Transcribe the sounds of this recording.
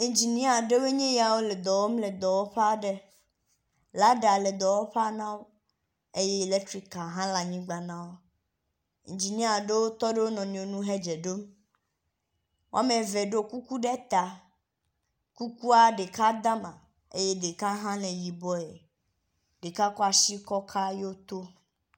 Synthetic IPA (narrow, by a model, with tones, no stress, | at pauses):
i˨d͡ʒi˨nĩ˦a˨ɖe˦we˦ɲẽ˦ja˨wo˦le˨d̪ɔ˨wɔ˦mle˨d̪ɔ˨wɔ˦ɸa˦ɖe˦ | la˨˦ɖa˨le˨d̪ɔ˨wɔ˦ɸa˦nã˦wo˦ | e˦je˦e˨le˦tɾi˦ka˨ɦã˦la˨ɲĩ˦ɡ͡ba˨nã˦wo˦ | ḭ˨nd͡ʒi˨nĩ˦a˨ɖe˦wo˦t̪ɔ˦ɖe˦wo˦nɔ̃˨nĩ˨o˨nũ˦ɦe˦d͡ʒe˨ɖo˦m | wo̰˦a˦mẽ˨vɛ˨ɖe˦˨ku˦ku˦ɖɛ˦t̪a˨ | ku˦ku˦a˦ɖe˨ka˦d̪a˦mã˨ | ḛ˦je˦de˨ka˦ɦã˦lẽ˨ji˨bɔ˦e˨ | ɖe˨ka˦kɔ˦a˨si˦kɔ˦kʰa˦je˦o˦t̪o˦